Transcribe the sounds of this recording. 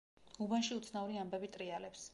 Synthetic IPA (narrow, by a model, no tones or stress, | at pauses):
ubanʃiut̪sʰnauɾiambɛbit̪ʼɾialɛps